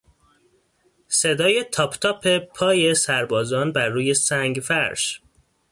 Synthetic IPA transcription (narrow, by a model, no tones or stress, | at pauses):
se̞d̪ɒːje̞t̪ʰɒːpʰt̪ʰɒːpʰe̞pʰɒːje̞sæɾbɒːzɒːnbæɾːuːje̞sæŋɡfæɾʃ